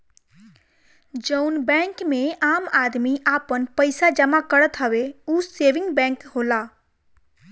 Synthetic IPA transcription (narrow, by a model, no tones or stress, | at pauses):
d͡ʒəʊnbɛ̃ːŋkmẽaːmaːd̪miʔaːpənpəɪsad͡ʒəmakəɾət̪ɦəʋeuːseːʋɪ̃ŋɡbɛ̃ːŋkɦoːlaː